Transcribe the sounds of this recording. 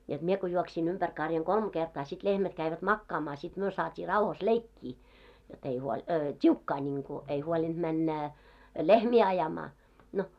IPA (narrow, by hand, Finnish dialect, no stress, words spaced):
jod̥ mie ko juoksin ympær kɑrjɑŋ kolm ɡ̊ertɑː sit lehmæt kæiʋæt mɑkːɑːmɑː sit myø sɑːtʲiː rɑuhɑs leikːiː jot ei huolʲ tʲiukːɑː nʲiŋku ei huolind̥ mænːæ lehmiː ɑjɑmɑː no